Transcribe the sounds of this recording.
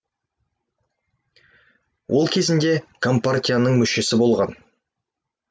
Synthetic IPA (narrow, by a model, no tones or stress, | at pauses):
wʔo̞lˠkʲʰe̞zɪnd̪e̞kʰo̞mpartʲijanəɴmʏʃe̞sɪbo̞lˠʁɑn